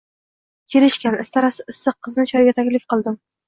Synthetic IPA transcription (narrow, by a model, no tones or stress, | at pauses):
kʲʰeɾɪʃkʲanɪst̪ʰaɾasɪɪsːɨqʰːɨznɪt͡ʃʰɒjɡʲat̪ʰakʲlɪfqɨlˠd̪ɪm